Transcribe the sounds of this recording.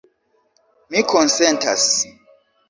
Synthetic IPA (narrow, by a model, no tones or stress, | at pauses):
mikʰɔnsɛntʰa̰s